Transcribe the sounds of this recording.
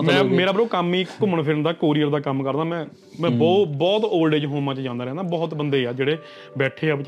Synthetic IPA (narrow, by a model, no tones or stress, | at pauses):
mɛ̃ːmeːɾaːbəɾoːkəmiːkʊməɳpʰɪɾnd̪aːkoːɾiːəɾd̪aːkəmkəɾd̪aːmɛ̃ː | mɛ̃ːbɔːbɔːt̪oːlɖeːd͡ʒɦõːmãːt͡ʃd͡ʒãːnd̪aːɾɛ̃ːnd̪aːbɔːt̪bənd̪eːaːd͡ʒeːɽeː | bɛːʈʰeːaːb